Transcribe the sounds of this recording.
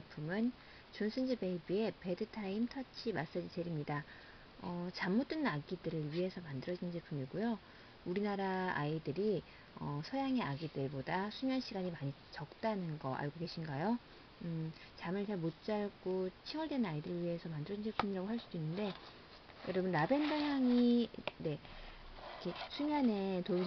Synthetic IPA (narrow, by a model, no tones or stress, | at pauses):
epʰumɯn | t͡ɕonsʰɯnd͡ʑibe̞ibue̞pe̞dɯtʰaimtʰʌt͡ɕʰimas͈ad͡ʑit͡ɕe̞ɾimɲida | ʌt͡ɕamːot͈ɯnaɡidɯɾɯɭɥiɦe̞sʰʌmandɯɾʌd͡ʑinnd͡ʑepʰumiɡujo | uɾinaɾaaidɯɾi | ʌsʰʌjaŋe̞aɡidɯɭbodasʰumjʌnɕʰiɡaɲimaɲi | t͡ɕʌk̚t͈anɯnɡʌʔa̰ɭɡoɡe̞ɕʰinɡajo | ɯ | t͡ɕamɯɭt͡ɕaɭmot͡ɕ͈aɭɡot͡ɕʰiŋʌɭdwe̞nnaidɯɾɯɭɥiɦe̞sʰʌmandɯɾʌd͡ʑind͡ʑiɭpʰumiɾaɡoɦaɭs͈ud̥oinːɯnde̞ | jʌɾʌbɯnɾabe̞ndʌjaŋine̞ | kʰesʰumjʌne̞to